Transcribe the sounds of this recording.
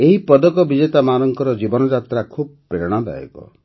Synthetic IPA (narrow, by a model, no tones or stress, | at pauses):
eɦipɔd̪ɔkɔbid͡ʒet̪amaɾɔŋkɔɾɔd͡ʒibɔnɔd͡ʒat̪ɾakʰub̚pɾeɾɽ̃ɔd̪a̰jḛkɔ̰